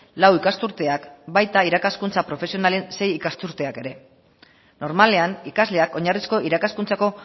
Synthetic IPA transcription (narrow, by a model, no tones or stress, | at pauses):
lawikast̪uɾt̪e̞akbajt̪aiɾakaskunt͡sapɾo̞fe̞sio̞nale̞nse̞jikast̪uɾt̪e̞ake̞ɾe̞ | no̞ɾmale̞anikazle̞ako̞ɲarisko̞ʔiɾakaskunt͡sako̞